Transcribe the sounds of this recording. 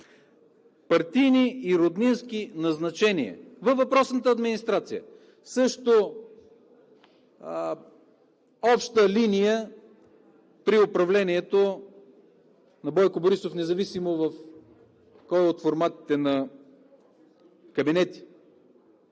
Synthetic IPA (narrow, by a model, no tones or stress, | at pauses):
pɐɾt̪ijniːɾod̪ninskinɐznɐt͡ʃɛniɛ̰vɐvɐpɾɔsnət̪əːd̪minist̪ɾat̪sijə̰ | sɤʃt̪o | ɔpʃt̪əlinijə | pɾiopɾɐvlɛniɛt̪o | nɐbɔjkoboɾisofnɛzɐvisimovɐf | kɔjot̪foɾmat̪i̥t̪ɛnɐ | kɐbinɛt̪i̥